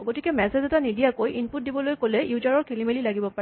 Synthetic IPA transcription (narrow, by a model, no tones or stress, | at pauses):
ɡotikɛmɛsezɛtanidijakojʔinput̚dibɔlojkolɛjuzaɹɔɹkʰelimelilaɡibɔpaɹɛ